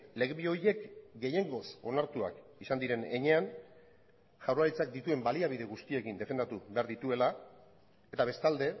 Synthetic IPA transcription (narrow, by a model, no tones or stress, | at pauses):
le̞ɣβio̞ɾje̞kɡe̞je̞ŋɡo̞so̞naɾt̪ua̰kisand̪iɾe̞ne̞ɲe̞an | ʝawɾaɾit͡sak̚d̪it̪ue̞mbaliaβ̞iðe̞ɣust̪ie̞kind̪e̞fe̞nd̪at̪uβe̞aɾðit̪ue̞la | e̞t̪aβe̞st̪ald̪e̞